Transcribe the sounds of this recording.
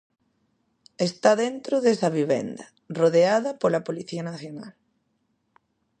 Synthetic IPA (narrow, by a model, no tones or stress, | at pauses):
est̪aðent̪ɾoðesɐβ̞iβḛnd̪ɐ | roðeað̞ɐpolɐpoliθiɐnaθjona̰l